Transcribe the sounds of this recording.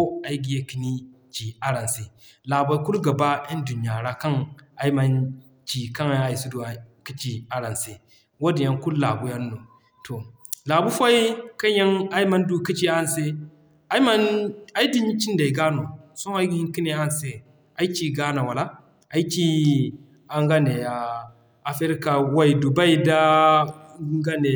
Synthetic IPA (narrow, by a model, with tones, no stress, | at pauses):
wo˦a˨i˦ɡi˨je˦ki˨ni˦ | t͡ʃi˨a˦ɾa˨nse˨ | la˨ba˨i˦ku˦lɡa˨ba˦i˦n˦du˨ɲja˨ɾa˦ka˦ŋa˨i˦ma˨n | t͡ʃi˨ka˦ŋa˨ja˨ji˨su˦du˨a˨ki˦t͡ʃi˨a˨ɾa˨nse˨ | wo˦di˨ja˦ŋku˦lla˨bu˦ja˦nː˦o˨ | to˨ | la˨bu˦fa˦i˦ka˦ja˦ŋa˦i˦ma˦ndu˦ki˦t͡ʃi˦a˦n˦se˦ | a˨˦i˦ma˦na˨i˦di˦ɲi˦t͡ʃi˦nda˨i˨ɡa˦no˨so˦a˦i˦ɡhi˦ŋ˦ki˦ne˨a˦n˨se˦ | a˨i˦t͡ʃi˦ɡa˦na˨wa˨la˦ | a˨i˦t͡ʃi˦ | a˨ŋɡa˦ne˨aː˨ | fe˦ɾka˨wa˦i˨du˨ba˦i˦da˦ | ŋ˦ɡa˦ne˨